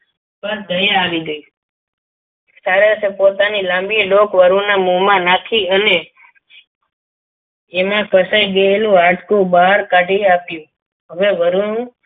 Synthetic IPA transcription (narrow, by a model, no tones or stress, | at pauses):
pəɾd̪ʱəjaːʋiɡəi | saɾeəsepot̪anilãmbilokʋəɾunamumãnakʰiəne | mãpəsajɡəelũaʈkũbaɦaɾkaʈiapjũ | ɦəʋeʋəɾũnũ